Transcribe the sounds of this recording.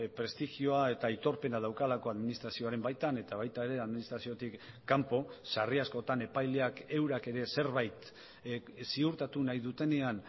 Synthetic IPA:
pɾe̞st̪ixioae̞t̪ait̪o̞ɾpe̞nað̞awkalako̞aðminist̪ɾasio̞aɾe̞mbajt̪ane̞t̪aβajt̪ae̞ɾe̞aðminist̪ɾasio̞t̪ikː | ampo̞sariasko̞t̪ane̞pajle̞ake̞wɾake̞ɾe̞se̞ɾβajt̪ | siuɾt̪at̪unajðut̪e̞ne̞an

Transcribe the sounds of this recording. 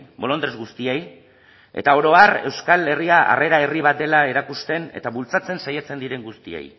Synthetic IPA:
bo̞lo̞nd̪ɾezɣust̪iej | e̞̰t̪ao̞ɾo̞are̞wskale̞riaʔa̰re̞ɾae̞riβ̞at̪̚d̪e̞lae̞ɾakust̪e̞ne̞̰t̪aβult͡sat͡se̞nsajat͡se̞nd̪iɾe̞ŋɡust̪iḛj

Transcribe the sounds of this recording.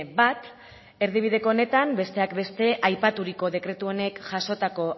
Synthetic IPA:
bat̪ | e̞ɾðiβ̞iðe̞ko̞one̞t̪ambe̞st̪e̞akbe̞st̪e̞ʔajpat̪uɾiko̞ðe̞kɾe̞t̪uo̞ne̞kʝaso̞t̪ako̞

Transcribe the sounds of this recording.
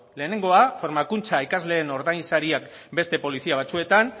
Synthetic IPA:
le̞ːne̞ŋɡo̞afo̞ɾmakunt͡saikazle̞ːno̞ɾðajnsaɾiakbe̞st̪e̞po̞lisiaβ̞at͡sue̞t̪an

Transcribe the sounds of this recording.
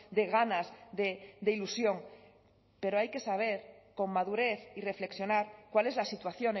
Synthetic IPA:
d̪e̞ɣ̞anazðed̪eilusjo̞ŋ | pe̞ɾoajke̞saβ̞eɾko̞ŋmaðuɾeθire̞fleksjo̞naɾkwale̞zlasit̪waθjo̞ne

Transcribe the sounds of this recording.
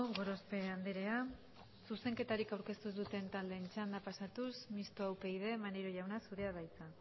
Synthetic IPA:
ɡo̞ɾo̞spe̞and̪eɾe̞a | suse̞ŋke̞t̪aɾikawɾke̞st̪uzðut̪e̞nt̪ald̪e̞nt͡ʃand̪apasat̪usmist̪oawpe̞jðe̞manejɾoʝawnasuðe̞aβajt͡sa

